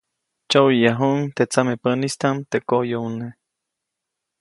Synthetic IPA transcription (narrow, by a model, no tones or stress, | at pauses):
t͡ʃowijaɦuʔŋt̪et͡samepənist̪amt̪ekojoune